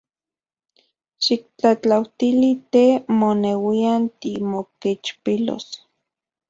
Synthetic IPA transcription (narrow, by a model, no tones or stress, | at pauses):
ʃik̚t͡ɬat͡ɬawt̪ilit̪emonewiant̪imoket͡ʃpilo̰s